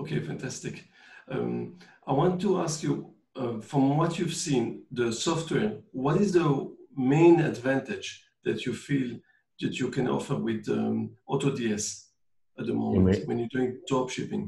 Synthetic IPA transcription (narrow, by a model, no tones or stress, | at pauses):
okʰefæ̃ntʰæstɪk | ʌ̰mʔaɪwɑ̃ntːuæskju | fɹɔ̃mwʌtʰjuv̥sĩnðəsɔftwɛɹwʌɾɪzðəmẽɪ̃nɨ̰dvæ̃ntɪd͡ʒ | ðætʰjufilˠ | ðætʰjukɛ̃nɔ̰fə˞wɪðə̰ɔtodiɛs | ət̪̚ðəmõ̰m̃twɛ̃njəduɪ̃ŋdɔpʃɪpɪ̃ŋ